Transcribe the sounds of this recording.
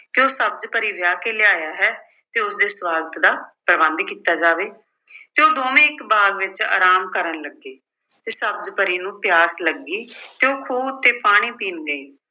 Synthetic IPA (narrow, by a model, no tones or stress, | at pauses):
keoːsəb̚d͡ʒpəɾiːʋjaːkeːleaːjaːɦɛː | t̪eːʊsd̪eːswaːɡət̪d̪aːpɾəbə̃nd̪kiːt̪aːd͡ʒaːʋeː | t̪eːoːd̪oːʋẽːɪkbaːɡʋɪt͡ʃa̰ːɾaːmkəɾəɳləɡeː | t̪eːsəb̚d͡ʒpəɾiːnũːpjaːsləɡiːt̪eːoːkʰuːbt̪eːpaːɽ̃iːpiːnɡəiː